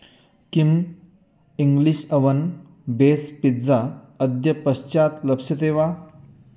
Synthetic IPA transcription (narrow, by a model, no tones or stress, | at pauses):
kim | iŋɡliɕəʋɐn | bespit̪d͡za | əd̪jɐpɐɕt͡ɕat̪ləpsɐt̪eʋa